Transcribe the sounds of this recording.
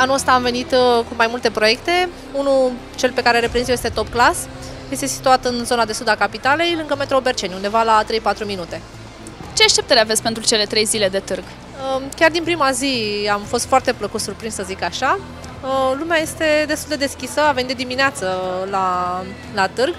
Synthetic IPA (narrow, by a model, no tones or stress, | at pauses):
anuəst̪aːmve̞nit̪kumajmult̪e̞pɾo̞je̞k̚t̪e̞ | unu | t͡ʃe̞lpe̞kaɾeɾepɾenziojest̪et̪o̞pklas | je̞st̪e̞si̥t̪uat̪ɨnzo̞nad̪e̞sud̪akapit̪ale̞jlɨŋɡəme̞t̪ɾobe̞rt͡ʃe̞nʲund̪e̞valat̪ɾe̞jpat̪ɾuminut̪e̞ | t͡ʃeaʃt̪ep̪̚eɾeave̞tsʲpe̞nt̪ɾut͡ʃe̞le̞t̪ɾe̞jzile̞d̪e̞t̪ɨrɡ | əkʲard̪inpɾimaziamfo̞st̪foart̪e̞pləkut̪surpɾinssəzikaʃa | əlumeaje̞st̪e̞d̪est̪uld̪e̞d̪e̞skʲisəamvenid̪ed̪imineat̪səla | lat̪ɨrɡ